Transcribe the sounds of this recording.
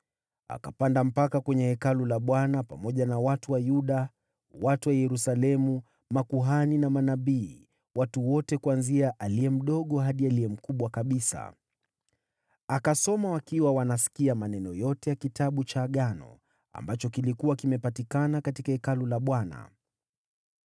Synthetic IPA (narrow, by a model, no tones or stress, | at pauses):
a̰kapandam̩pakakwɛɲɛhɛkalulaɓwanapamɔʄanawatuwajuɗa | watuwajɛɾusalɛmu | makuɦaninamanaɓiː | watuwɔtɛkuanziaʔaliɛm̩ɗɔɠɔɦaɗialiɛm̩kuɓwakaɓisa̰ | akasɔmawakiwawanasi̥kiamanɛnɔjɔtɛjakitaɓut͡ʃaːɠanɔ̰ | a̰mbat͡ʃɔkilikuwakimɛpatikanakatikahɛkalulaɓwana̰